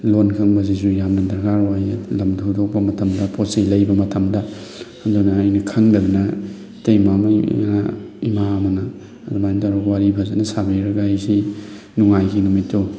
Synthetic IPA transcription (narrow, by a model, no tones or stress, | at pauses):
lonkʰɐŋbɐzizujamnɐdɐɾɡaɾojlɐmdʰudok̚pɐmɐtʰɐmdɐposejlɐjbɐmɐtʰɐmdɐ | ɐdunɐːjnɐkʰɐŋdɐɡɐnɐ | tejmamɐ̰na̰imaɐmɐnɐː | dumajntaɾowaɾibʰʱazanɐsabiɾɐɡaajsi | nuŋajɡʰinumitːo